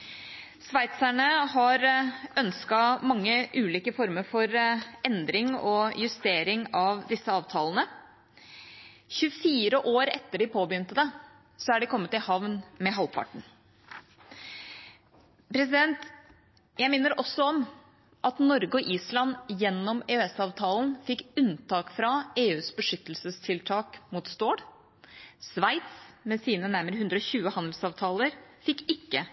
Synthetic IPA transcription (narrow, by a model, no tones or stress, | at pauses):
sʋæɪt̪sæɳəhɑɾœnskɑmɑŋːəʔʉːliːkəfɔɾməɾfɔɾɛnd̪ɾɪŋɔjʉst̪eːɾɪŋɑʋd̪ɪsːəɑːʋt̪ʰɑːlənə | çʉfiːɾəʔoːɾɛt̪ːəɖɪpʰoːbəjʏnt̪əd̪ɛ | sɔæɖɛkʰɔmːət̪ːɪhɑʋnmɛɦɑlpʰɑ̰ʈɳ̩ | pʰɾɛsɪd̪ɛnt̪ | jæɪmɪnːəɾʔɔsːɔɔm | ʔɑt̪nɔɾɡəɔʔiːslɑnjɛnːɔmeːøɛsɑːʋt̪ʰɑːln̩fɪkːʉnt̪ʰɑːkfɾɑeːʉːsbəʂʏt̪ːəlsəst̪ʰɪlt̪ʰɑːkmuːt̪st̪oːɽ | sʋæɪt̪smɛsiːnənæɾməɾəʉnd̪ɾɔçʉːəhɑnd̪l̩sɑːʋt̪ʰɑːləɾfɪkːɪkːə